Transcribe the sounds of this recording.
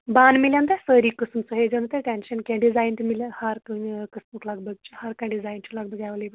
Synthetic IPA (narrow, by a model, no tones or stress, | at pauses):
baːnmiljãnt̪asəɾiːkəsmsəɦed͡ʒeʋnt̪eʈenɕənkẽɖid͡zajnt̪əmilhaɾkakəsmuklaɡbəɡ̚t͡ʃuhaɾkãɖid͡zajnt͡ʃʰulaɡ̚bəɡaʋələjbə